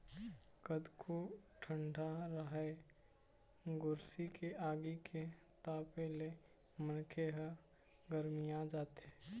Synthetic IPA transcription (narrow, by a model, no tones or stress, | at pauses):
kəd̪kʰoʈʰəɳɖʱaɾəɦae | ɡʊɾsikeʔaːɡikʰe | t̪aːpele | mənkʰeɦə | ɡəɾmijad͡ʒaːt̪e